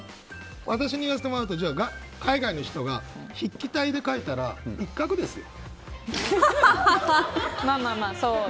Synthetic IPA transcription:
βʔat̪aɕiɲ̟ijaset̪emo̞ɾaɯ̟t̪od͡ʑaːɡa | kaiɡaino̞çi̥t̪o̞ɡaçikʲːit̪aid̪e̞kait̪aɾa̰ikːakɯ̟d̪e̞sɨjo̰ | maːmaːmaːso

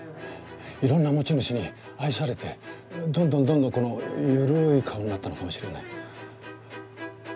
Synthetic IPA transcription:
iɾõ̞nːamo̞t͡ɕinoɕiɲ̟i | aisaɾe̞t̪e̞d̪õnd̪õ̞nd̪õ̞nd̪õŋko̞no̞jɯɾɯikʰaoɲ̟inat̪ːano̞kamo̞ɕiɾe̞na̰i

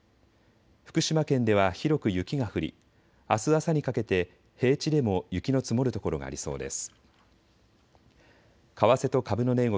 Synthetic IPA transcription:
ɸɯ̥kɯ̟ɕimakẽ̞nd̪e̞β̞açiɾo̞kɯ̟jɯ̟kʲiɡaɸɯ̟ɾʲḭ | asɨasaɲ̟ikake̞t̪e̞ | he̞ːt͡ɕid̪e̞mo̞jɯ̟kʲino̞t͡sɨmo̞ɾɯ̟t̪o̞ko̞ɾo̞ɡa̰ːɾʲiso̞̰ːd̪e̞̰sɨ̥ | kaβase̞t̪o̞kabɯ̟no̞ne̞ɡo

